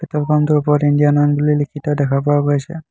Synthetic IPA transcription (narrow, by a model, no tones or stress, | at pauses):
pet̪ɔlkɔmt̪ɔupɔɾinɖijanɔnɡulilikʰit̪ɔd̪ɛkʰapɔwaɡojt͡ɕʰḛ